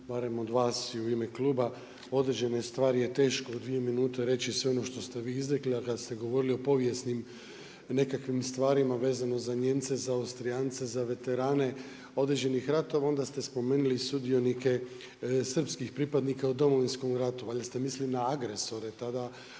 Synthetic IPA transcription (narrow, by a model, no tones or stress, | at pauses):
baɾe̞mo̞d̪ʋaːsiuimeklˠuːba | o̞d̪ɾed͡ʑe̞nest̪ʋaːɾijet̪e̞ːʃkoud̪ʋijeminuːt̪e̞ɾe̞t͡ɕisʋeo̞no̞ʃt̪o̞st̪e̞ʋiːizɾekliakad̪ast̪e̞ɡo̞ʋo̞ɾilio̞po̞ʋje̞snim | ne̞kakʋimst̪ʋaːɾimaʋe̞ːzano̞zaɲe̞mt̪se̞zaːwst̪ɾiant̪se̞zaʋe̞t̪e̞ɾaːne̞ | o̞d̪ɾed͡ʑe̞nixɾat̪o̞ʋao̞nd̪ast̪e̞spo̞me̞ːnulisud̪io̞nike̞ | sr̩pskixpɾipad̪nikaud̪o̞mo̞ʋinsko̞mɾat̪uʋaʎʲast̪e̞mislinaaɡɾe̞so̞ɾe̞t̪ad̪a